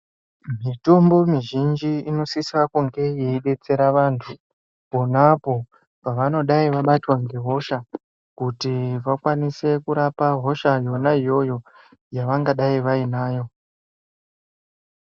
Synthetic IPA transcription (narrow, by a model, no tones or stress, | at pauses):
mitombo̞miʒind͡ʒiino̞sisakuŋɡe̞jeiɗe̞t͡se̞ɾaʋantʰu | po̞napo̞ | paʋano̞ɗaiʋaɓatwaŋɡe̞ɦo̞ʃa | kutiʋakwanise̞kuɾapaɦo̞ʃajo̞naijo̞jo̞ | jaʋaŋɡaɗaiʋainaːjo̞